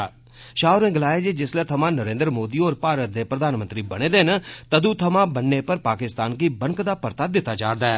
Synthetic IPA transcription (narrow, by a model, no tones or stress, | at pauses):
ʃaːʊɾnẽːɡəlaːeːd͡ʒeːd͡ʒɪslɛːt̪ʰəmãːnəɾẽːnd̪ɾəmoːd̪iːoːɾpaːɾət̪̚d̪eːpɾəd̪ʱaːnmə̃nt̪ɾiːbəɽ̃eːd̪eːɦnt̪əd̪ũːt̪ʰəmãːbənːeːpəɾpaːkɪst̪aːnkiːbəŋkd̪aːpəɾt̪aːd̪ɪt̪ːaːd͡ʒaːɾd̪aːɛː